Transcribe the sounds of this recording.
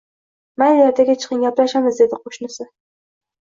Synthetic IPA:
manjjat̪ʰaɡʲat͡ʃʰɨ̥qɨnɡʲaplaʃamɪzd̪e̞d̪ɪqʰoʃnɪsɪ

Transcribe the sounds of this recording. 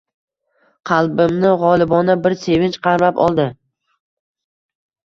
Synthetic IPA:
qʰɑlˠbɪmnɪʁɒlˠɪbɒnabɪɾse̞vɪnt͡ʃqʰɑɾmapɒ̰lˠd̪ɪ

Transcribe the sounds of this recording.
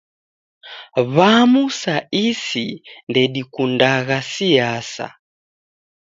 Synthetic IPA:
βamusaisindɛɗikundaɣasiasa̰

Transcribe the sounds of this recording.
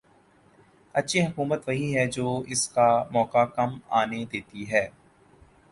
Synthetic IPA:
ɐtːʃʰiɦɐkuːmət̪ʋɐɦiɦɛd͡ʒoːɪskamɔːkakɐma̰ːned̪eːt̪iɦɛː

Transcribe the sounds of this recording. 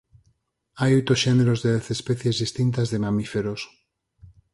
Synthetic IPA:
ajojt̪ɾosʃeneɾo̞zðeðeθespeθje̞zðist̪int̪azðe̞mamife̞ɾos

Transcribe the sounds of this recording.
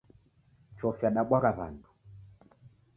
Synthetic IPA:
t͡ʃɔfjaɗaɓɔɾaβa̰ndu̥

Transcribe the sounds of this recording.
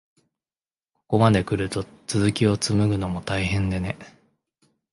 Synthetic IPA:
ko̞̥ko̞mad̪e̞kɯ̟ɾɯ̟t̪o̞ | t͡sɨzɨkʲio̞t͡sɨmɯ̟ɡɯ̟no̞mo̞t̪aiɦẽ̞nd̪ene̞

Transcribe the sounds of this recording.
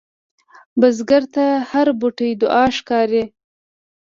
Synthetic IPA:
bazɡaɾt̪ahaɾbʊʈəjd̪ʊʔɑʃkɑɾi

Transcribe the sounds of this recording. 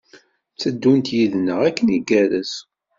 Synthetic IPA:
t͡sːəd̪ːunt̪jiðnəʁækːəniɡæɾəs

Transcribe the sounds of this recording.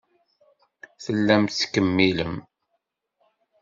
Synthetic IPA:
θəlːæmt̪θkəmːiləm

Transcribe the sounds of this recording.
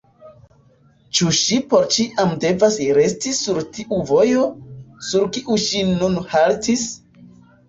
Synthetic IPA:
t͡ʃuʃipo̞ɾt͡ʃiʔamde̞vasɾe̞stisuɾtʰiʔuvo̞jo̞suɾkiʔuʃinunhaltis

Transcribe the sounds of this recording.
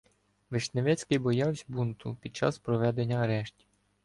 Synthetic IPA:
ʋeʃneʋɛt͡sʲkɪjbɔjɑwsʲbunt̪ʊpʲid̪̚t͡ʃɑ̰spɾɔʋɛd̪e̞nʲːɐɐɾɛʃtʲi̥

